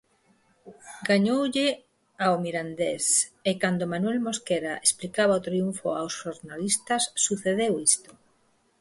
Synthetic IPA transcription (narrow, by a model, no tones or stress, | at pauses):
ɡaɲowʎɪ | aomiɾand̪esekand̪omanwɛlmoskeɾaʔesplikaβ̞aot̪ɾiuɱfʊ̰awsʃoɾnalist̪ɐsːuθeðewist̪o̥